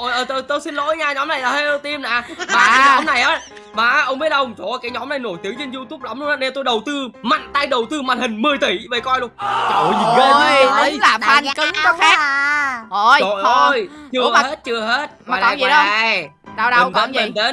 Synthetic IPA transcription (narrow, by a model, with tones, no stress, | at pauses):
ʔo˧˩jʔəː˨˩t̪o˧jt̪o˧jsi˧nlo̰˧˥jɲaː˧ɲɔ˨˦na˨˩jlaː˨˩he˦˧˥o˧t̪i˧mna̰ː˧˨˧maː˨˩ka˨˧˦ɲɔ˨˦mna˨˩jʔaː˨˦ | maː˨˩ʔʔə˧wŋ͡mɓi˦˥ət̚ʔə˧wŋ͡mt͡ɕɔ˨˩kaː˨˦jɲɔ˨˦mna˨˩jno˧˩jt̪i˨˦ŋt͡ɕe˧nzu˧t̪u˦˥p̚la˨˦ŋ͡mlna˨˧˦ne˧nt̪o˧jɗə˨˩wt̪ɨ˧ma̰˧˨nt̪a˧jɗə˨˩wt̪ɨ˧ma̰˨n̚hï˨˩ŋ̟mɨ˨˩əjt̪i˧˩və˨˩kɔ˧jlu˧ə˨˩ʔo˨˩jɲi˨˩nɣəː˧˦laː˨˩faː˧˩nkə˨˦ŋɔ˧xaː˦˥ | o˨˧˩ɔ˨˩o˧jt͡ɕɨ˧ə˧˨he˦˥t̚t͡ɕɨ˧əɦe˦˥t̚kɔ˨laː˧˨˧ | ɗə˨˩ne˨˦nə˨nt̪e˨˦n